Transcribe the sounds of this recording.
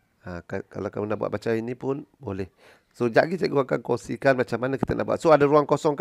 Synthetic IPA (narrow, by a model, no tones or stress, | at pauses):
akaka̰lakamunabṵa̰ʔbat͡ʃainipʊnbolɛh | sod͡ʒaʔɡisaɡuakankɔŋsikanmat͡ʃamanəki̥t̪ənʔaʔbua̰ʔ̪soadaɾuaŋkosɔŋk